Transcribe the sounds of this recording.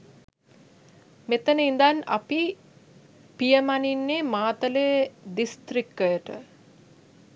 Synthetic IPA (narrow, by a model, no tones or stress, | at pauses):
met̪ənəind̪ana̰pi | pijəmaninːeːmaːt̪ələjəd̪ist̪ɾikːəjəʈə̰